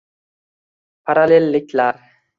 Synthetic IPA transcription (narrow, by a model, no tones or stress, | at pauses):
pʰaɾalʲelʲːɪkʲlaɾ